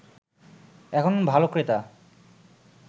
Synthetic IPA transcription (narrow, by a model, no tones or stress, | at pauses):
ɛkʰonbʱalokɾet̪a